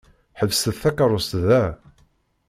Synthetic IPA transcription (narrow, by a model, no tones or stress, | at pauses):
ħəvsəðθækaɾˤʊst̪ðæ